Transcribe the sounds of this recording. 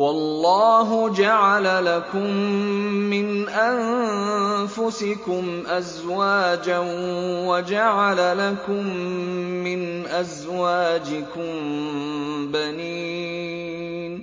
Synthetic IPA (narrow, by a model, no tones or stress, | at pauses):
wɑlːɑːɦʊd͡ʒaʕalalakʊmː | ɪnʔan | fʊsɪkʊmʔazwaːd͡ʒanwad͡ʒaʕalalakʊmː | ɪnʔazwaːd͡ʒɪkʊm | baniː | n